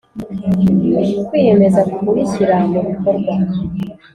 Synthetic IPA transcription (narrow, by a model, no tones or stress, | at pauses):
kwiːje̞me̞zakukuwisiɾamuβukoɾɡwa